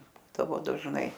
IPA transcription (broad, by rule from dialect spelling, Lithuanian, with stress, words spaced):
ˈbuːdɐʋoː dɐʒˈnɐɪ